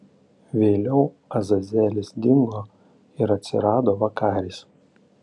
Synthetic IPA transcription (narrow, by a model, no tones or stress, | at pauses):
ʋʲeːlʲɛʊ | ɐzɐzʲæːlʲɪsd̪ʲɪŋɡoː | ɪɾɐt̪ʲsʲɪ̰ɾɑːd̪oːʋɐkɑːɾʲiːs